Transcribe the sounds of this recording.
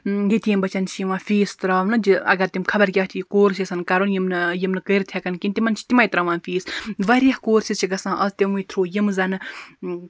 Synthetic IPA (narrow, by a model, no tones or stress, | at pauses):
ɡit̪ijimbɐt͡ʃɐnt͡ʃʰiʋãːfiːst̪ɾaːʋnɨd͡ʒiɐ̰ɡɐɾt̪imkʰɐbɐɾkʲaːɦt̪ʰikoːɾsisɐnkɐɾonjimnɨjimnɨkəːɾt̪ʰjekɐnkʲint̪ʲimɐnt͡ʃʰi̥t̪imaːjt̪ɾɐʋãːnfiːsʋɐɾijɐhkoːɾsist͡ʃʰiɡɐsãːʔɐst̪ʲimujt̪ʰɾoːjimzɐnɨ